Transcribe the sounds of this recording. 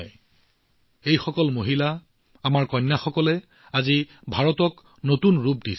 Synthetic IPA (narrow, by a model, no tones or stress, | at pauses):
j | ejxɔkɔlmoɦila | amaɹkɔnːaxɔkɔlɛ | azibʱaɹɔtɔk | notunɹupdi